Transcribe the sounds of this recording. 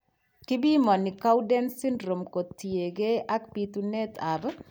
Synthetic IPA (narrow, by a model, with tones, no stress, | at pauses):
kɪ˦bi˦mɔ˨nɪ˨ka˦wdɛ˦nsɪ˦nɾo˨mko˨tːi˨e˨ɡe˦a˦kpit̪u˦nɛ˦t̪ʰa˨b